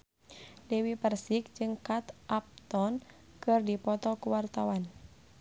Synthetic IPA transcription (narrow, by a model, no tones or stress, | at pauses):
dɛwipərsik̚d͡ʒɨŋkat̪ʔap̚t̪ɔn | kɨrdipɔt̪ɔkuwart̪awan